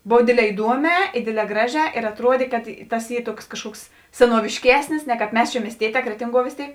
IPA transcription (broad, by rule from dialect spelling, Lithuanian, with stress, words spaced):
ˈboːw ˈdʲeːdʲˌlʲɛː ɪˈduɔˌmʲɛː ɪ ˈdʲeːdʲˌlʲɛː ˈɡrɑːˌʒʲɛː ɪr ɐtˈruɔdʲeː kɐt ˈtɐs ˈiː ˈtuɔks kɐʃˈkuɔks sʲɛnuɔʋʲɪʃʲˈkʲæːsʲnʲɪs nʲɛ kɑːp ˈmʲɛs t͡ʃʲɛ mʲiɛsʲˈtʲiɛˌtʲɛː ˈkrʲæːtʲɪŋˌɡuɔ ʋʲeːs ˈtʲeːɪk